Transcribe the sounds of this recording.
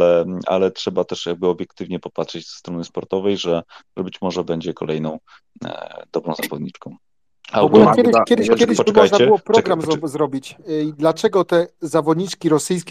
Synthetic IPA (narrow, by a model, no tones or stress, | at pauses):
lɛa̰lɛtʂɛbat̪ɛʂjaɡ̚bɘɔbʲjɛkt̪ɘvɲɛpɔpatʂɛd͡ʑz̥ɛ̥st̪ɾɔnɘspɔɾt̪ɔvɛjʐɛʐɛbɘt͡ɕmɔʐɛbɛɲd͡ʑɛkɔlɛjnɔ̃w̰̃ | d̪ɔbɾɔ̃w̃zavɔd̪ɲit͡ʂkɔ̃w̃ | aɡulɛkʲjɛd̪kʲɛd̪ɪkʲɛd̪ɪɛkaɔjnaɛɨwɔpɾɔɡɾamzzɾɔbʲit͡ɕd̪lat͡ʂɛɡɔt̪ɛzavɔd̪ɲit͡ʂkʲiɾɔsɘjskʲ